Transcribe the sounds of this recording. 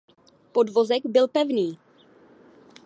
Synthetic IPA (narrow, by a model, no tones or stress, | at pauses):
po̞dvo̞zɛɡbɪlpɛvniː